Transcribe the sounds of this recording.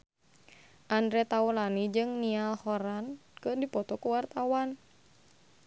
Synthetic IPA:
ʔandɾɛt̪aulanid͡ʒɨŋnialhɔɾankɨrdipɔt̪ɔkuwart̪awan

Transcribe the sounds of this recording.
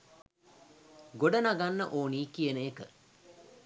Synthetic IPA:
ɡoɖənaɡanːəʔoːniːkijənəekə

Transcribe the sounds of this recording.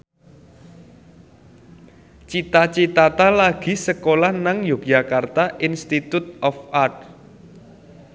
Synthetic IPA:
t͡ʃit̪at͡ʃit̪at̪alaɡ̥i̤səkolahnaŋjok̚d͡ʒa̤kart̪aʔinst̪it̪ut̪̚ɔfʔart̪̚

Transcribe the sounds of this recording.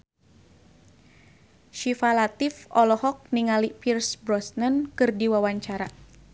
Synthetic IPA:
ʃifalat̪ifɔlɔhɔk̚niŋalipirsbɾɔsnənkɨrdiwawaɲt͡ʃaɾa

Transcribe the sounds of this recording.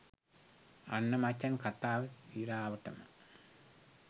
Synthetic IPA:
ɐnːɐmɐt͡ʃːɐnkɐt̪ːaːʋɐt̪iːɾaːʋɐʈːɐmɐ̰

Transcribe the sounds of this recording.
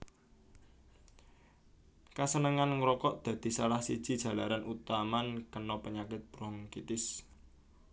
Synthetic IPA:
kasənəŋanŋɾɔkɔʔd̪̥ä̤d̪̥i̤salahsid̥ʒ̥i̤d̥ʒ̥a̤laɾanut̪amankənɔpəɲakɪt̪̚b̥ɾɔŋkit̪ɪs

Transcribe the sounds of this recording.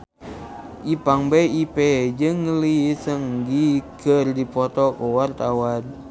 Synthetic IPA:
ʔipaŋbeiped͡ʒɨŋːəlisəŋɡikərdipɔt̪ɔkɔwart̪awan

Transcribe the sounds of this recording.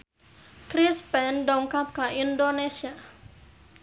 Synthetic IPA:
kɾispɛnɖɔŋkap̚kaʔindonesia

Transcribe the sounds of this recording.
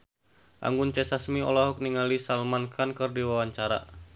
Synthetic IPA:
ʔa̰ŋɡʊnt͡ʃɛsasmiɔ̰laɦɔk̚niŋalisalmankʰankərdiwawaɲt͡ʃaɾa̰

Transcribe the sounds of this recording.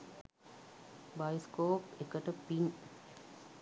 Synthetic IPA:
bajskoːpekəʈəpiŋ

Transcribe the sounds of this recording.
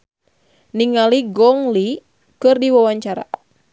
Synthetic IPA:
niŋaliɡɔŋli | kɨrdiwawaɲt͡ʃaɾa̰

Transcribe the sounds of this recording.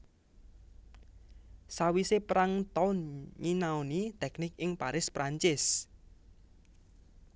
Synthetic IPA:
sawisepɾaŋt̪ɔnŋinaonit̪ɛknɪkɪŋpaɾɪspɾaɲt͡ʃɪs

